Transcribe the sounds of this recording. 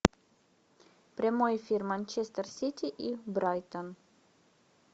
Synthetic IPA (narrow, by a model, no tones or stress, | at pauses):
pɾemojfiɾmanʲt͡ʃɛst̪əɾsit̪ʲiʔibɾajt̪ən